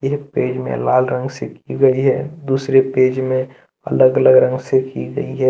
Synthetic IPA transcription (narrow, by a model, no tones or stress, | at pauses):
eːk̚peːd͡ʒmḛ̃laːlɾə̃ŋɡsekiɡəiɦɛd̪uːsɾepeːd͡ʒmẽ | ə̰ləɡələɡɾə̃ŋɡsekiɡə̰iɦɛ